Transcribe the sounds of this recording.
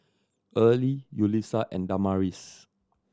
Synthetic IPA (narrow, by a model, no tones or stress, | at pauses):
ʔəlijulisaʔɛ̰̃ndamaɹis